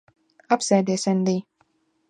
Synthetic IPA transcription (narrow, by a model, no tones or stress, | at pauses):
apsɛjd̪ʲiːsɛnd̪iː